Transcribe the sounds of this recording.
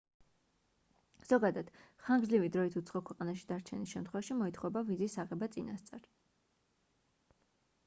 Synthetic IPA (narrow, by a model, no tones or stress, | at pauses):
z̥ɔɡad̪ad̪̥χaŋɡzlivid̪ɾɔit̪ʰut̪sʰχɔkʰwɛqʼanaʃi̥d̪aɾt͡ʃʰɛnisʃɛmt̪ʰχwɛvaʃimɔit̪ʰχɔɛbavizisaʁɛbat̪sʼinast̪sʼaɾ